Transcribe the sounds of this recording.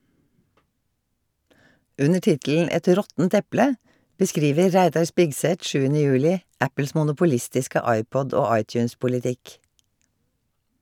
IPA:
ˈʔʉnə ˈʈɪtll̩ ˈɛt ˈɾɔtn̩t ˈɛplə bəˈskɾiːʋə ˈɾæɪdɑɹ ˈspɪɡˌsɛt ˈʃʉːənə ˈjʉːlɪ ˈʔæpəls mʊnʊpʊˈlɪstɪskə ˈɑɪˌpɔd ˈoː ˈɑɪtjʉːnspʊlɪˌtɪk

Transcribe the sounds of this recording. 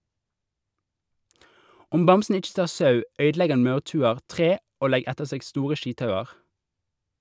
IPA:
ˈʊm ˈbɑmsn̩ ˈɪt͡ʃ ˈtɑːʁ ˈsɑʉ ˈœʏdˌlɛɡ ˈɑn ˈmɑʉʁˌtʉːəʁ ˈtʁeː ˈoː ˈlɛɡ ˈɛtəʁ ˈseːɡ ˈstuːʁə ˈʃiːtˌhɑʉɑʁ

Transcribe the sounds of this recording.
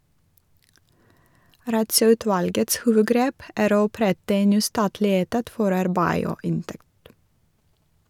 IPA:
ˌɾɑtsœʉˈtʋɑlɡəts ˈhuːʋəˌɡɾeːp ˈæːɾ ˈoː ɔˈpɾɛtə ˈeːn ˈnyː ˈstɑːtlɪ ˈeːtɑt ˈfɔɾ ˈɑɾbæɪ ˈoː ˈɪnˌtɛkt

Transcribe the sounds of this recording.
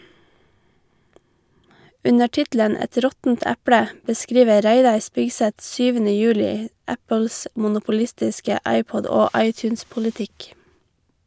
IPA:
ˈʉnə ˈʈɪtlən ˈɛt ˈɾɔtn̩t ˈæpɽə bəˈskɹiːʋə ˈɾæɪdɑɹ ˈspɪɡsɛt ˈsyːʋənə ˈjʉːlɪ ˈæpəls mʊnʊpʊˈlɪstɪskə ˈɑɪˌpɔd ˈoː ˈɑɪtjʉːnspʊləˌtɪk

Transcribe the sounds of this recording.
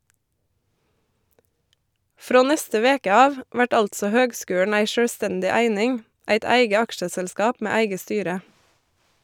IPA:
ˈfɾoː ˈnɛstə ˈʋeːkə ˈɑːʋ ˈʋæʈ ˈɑltsɔ ˈhøːɡˌskʉːɳ̩ ˈæɪ ʃœɽˈstɛndɪ ˈæɪnɪŋ ˈæɪt ˈæɪɡə ˈɑkʃəsɛlˌskɑːp ˈmeː ˈæɪɡə ˈstyːɾə

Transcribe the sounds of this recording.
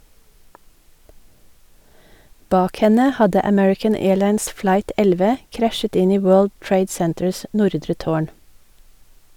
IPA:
ˈbɑːk ˈhɛnə ˈhɑdə əˈmɛɹɪkən ˈeːɭɑɪns ˈflɑɪt ˈɛlʋə ˈkɾæʃət ˈɪn ˈiː ˈwøːɭd ˈtɹeɪd ˈsɛntəɹs ˈnʊɾdɾə ˈtoːɳ

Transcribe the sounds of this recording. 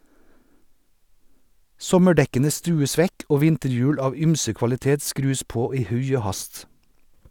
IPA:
ˈsɔməˌɖɛkənə ˈstʉːəs ˈʋɛk ˈoː ˈʋɪntəɾˌjʉːɽ ˈɑːʋ ˈyːmsə kʋɑlɪˈteːt ˈskɾʉːs ˈpoː ˈiː ˈhʉɪ ˈoː ˈhɑst

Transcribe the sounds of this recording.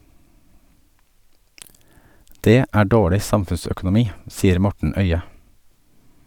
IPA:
ˈdeː ˈæː ˈɖoːɭɪ ˈsɑmfʉnsœkʊnʊˌmiː ˈsiːəɾ ˈmɔʈɳ̩ ˈœʏə

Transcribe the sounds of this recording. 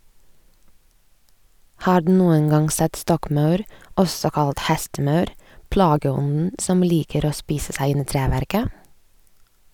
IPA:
ˈhɑːɾ ˈdʉː ˈnuːən ˈɡɑŋ ˈsɛt ˈstɔkˌmɑʉɾ ˈɔsɔ ˈkɑlt ˈhɛstəˌmɑʉɾ ˈplɑːɡəˌɔnn̩ ˈsɔm ˈliːkəɾ ˈoː ˈspiːsə ˈsæɪ ˈɪn ˈiː ˈtɾæːʋæɾkə

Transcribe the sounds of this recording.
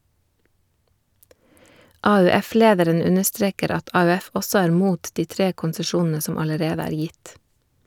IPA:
ɑʉˈɛˌfleːdəɾən ˈʉnəˌstɾeːkəɾ ˈɑt ɑʉˈɛf ˈɔsɔ ˈæːɾ ˈmuːt ˈdiː ˈtɾeː kʊnsəˈʃuːnn̩ə ˈsɔm ɑləˈɾeːdə ˈæːɾ ˈjɪt

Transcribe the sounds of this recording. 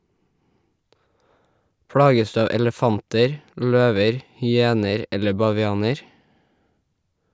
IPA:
ˈpɽɑːɡəs ˈdʉː ˈɑːʋ ɛləˈfɑntəɹ ˈʎøːʋəɹ hʏˈeːnəɾ ˈɛlə bɑʋɪˈɑːnəɹ

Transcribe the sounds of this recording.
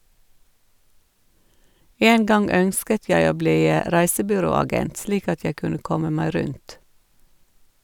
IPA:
ˈeːn ˈɡɑŋ ˈœnskət ˈjæɪ ˈoː ˈbliː ə ˈɾæɪsəbʏˌɾoːɑˌɡɛnt ˈsliːk ˈɑt ˈjæɪ ˈkʉnə ˈkɔmə ˈmæɪ ˈɾʉnt

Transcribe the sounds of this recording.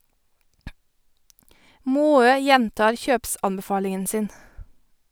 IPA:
ˈmoːøː ˈjɛntɑːɹ ˈçøːpˌsɑnbəˌfɑːlɪŋən ˈsɪn

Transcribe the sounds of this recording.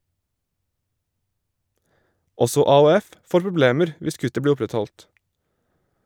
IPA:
ˈɔsɔ ɑːuːˈɛf ˈfoːɾ pɾʊˈbleːməɾ ˈʋɪs ˈkʉtə ˈbliː ˈʊpɾɛtˌhɔlt

